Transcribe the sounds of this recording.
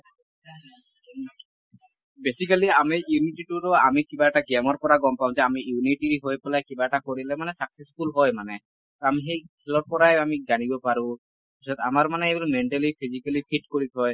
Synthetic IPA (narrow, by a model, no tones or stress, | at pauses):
besikaliamijuniʈiʈuɹɔamikibaɛʈaɡɛmɔɹpɔɹaɡɔmpaʊ̃zɛamijuniʈiɹiɦojpɛlajkibaɛʈakoɹilɛmanɛsakseskulɦɔjmanɛ | tɔamixejkʰɛlɔɹpɔɹajamizanibɔpaɹʊ̃ | pisɔt̪a̰maɹmanɛebulmɛnʈɛlipʰizikalipʰiʈ̚koɹikɦɔj